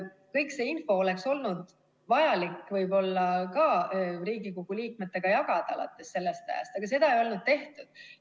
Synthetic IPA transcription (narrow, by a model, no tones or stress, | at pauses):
kɤjkse̞ːinfo̞ole̞kso̞lnud̪̥ | vɑjɑlikːvɤjbo̞lːɑkɑriːɡ̥ikoɡ̥uliːk̚me̞t̪ːˑe̞ɡ̥ɑjɑɡ̥ɑd̪̥ɑɑlɑ̰t̪ːˑe̞sːe̞lːe̞st̪æ̰jɑ̰st̪ɑɡ̥ɑs̬e̞d̪̥ɑe̞jo̞lnud̪̥̚t̪e̞ht̪ud̪̥